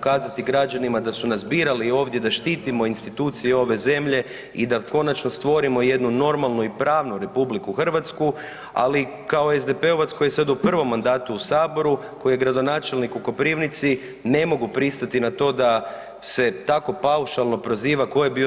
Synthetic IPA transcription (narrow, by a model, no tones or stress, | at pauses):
kaːzat̪iɡɾad͡ʒanimad̪asunazbiːɾalio̞ːʋd̪je̞d̪aʃt̪iːt̪imo̞inst̪it̪uːt̪sijeo̞ʋe̞ze̞mʎe̞ | id̪ako̞nat͡ʃno̞st̪ʋo̞ɾimo̞je̞d̪nuno̞ɾmalˠnuipɾaːʋnuɾe̞publikuxr̩ʋat̪sku | a̰li | kaoezd̪e̞pe̞o̞ʋat̪sko̞jesad̪upr̩ʋo̞mːand̪aːt̪uːsaːbo̞ɾu | ko̞ieɡɾad̪o̞naːt͡ʃe̞lnikuko̞pɾiʋnit̪si | ne̞mo̞ɡupɾist̪at̪inat̪o̞ːd̪a | se̞t̪ako̞pauʃalˠno̞pɾo̞ziːʋako̞jebi